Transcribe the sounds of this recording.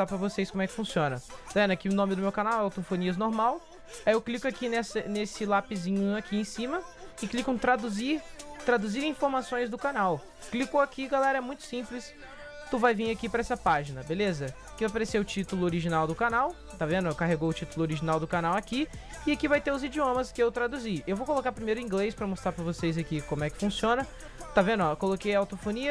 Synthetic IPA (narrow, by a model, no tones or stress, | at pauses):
apɾɐvosejskõmɛkɪ̥fũsiõnɐ̰̃vẽd̪ɐkiʊ̃nõmɪd̪ʊmewkanawɛawt̪õfõniɐznoɾmaw | ajewklikʊakinɛsɐnesɪlapɪzĩɲʊakʰiẽj̃sĩmɐɪklikɐ̃t̪ɾad̪uziɾt̪ɾad̪uziɾĩfoɾmasõj̃zd̪ʊkanaw | klikoakiɡalɛɾɐɛmũj̃t̪ʊ̥sĩplɪs | t̪uvajvĩŋakipɾɐɛsɐpaʒinɐbelezɐ | kɪvajpaɾeseʊt͡ʃit̪ʊlʊoɾiʒinawd̪ʊkanaw | t̪avẽnd̪ʊkaɦeɡowʊt͡ʃit̪ʊlʊoɾiʒinawd̪ʊkanawaki | ɪakivajt̪eʊzid͡ʒiõmɐskɪewt̪ɾad̪uziewvowkolokaɾpɾimejɾʊ̃ĩɡlejspɾɐmost̪ɾaɾpɾɐvosejzakikõmʊɛkɪ̥fũsiõnɐ | t̪avẽnd̪ʊakolokejawt̪ofõniɐ